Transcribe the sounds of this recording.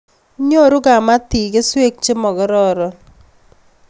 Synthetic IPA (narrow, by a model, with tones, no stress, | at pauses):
ɲo˦˨ɾʊ˦ɡa˨ma˦t̪i˨ɡe˦swe˦k̚t͡ʃɪ˦mɔ˨ɡɔ˦ɾɔ˦ɾɔ˦